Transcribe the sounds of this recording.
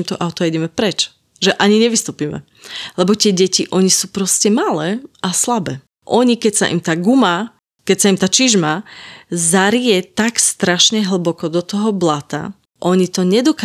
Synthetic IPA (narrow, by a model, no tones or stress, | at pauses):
mt̪ɔʔaʊt̪ɔɛɟɛmɛpɾɛt͡ʃ | ʒɛʔaɲiɲɛʋist̪uːpiːmɛ̰ | lɛbɔt̪ɪɛɟɛciʔɔɲisuːpɾɔscɛmalɛːʔaslabɛː | ʔɔɲikɛcsaʔḭmt̪aːɡuma | kɛcsaimt̪aːt͡ʃiʒma | zaɾiɛt̪akst̪ɾaʃɲɛɦl̩bɔkɔd̪ɔt̪ɔɦɔblat̪a̰ | ʔɔɲit̪ɔɲɛd̪ɔka